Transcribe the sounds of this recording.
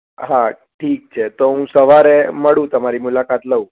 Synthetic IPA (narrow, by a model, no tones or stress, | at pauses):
ɦa | ʈʰiːk̚t͡ʃʰet̪oɦũsəʋaɾeməɽũt̪əmaɾimulakat̪ləũ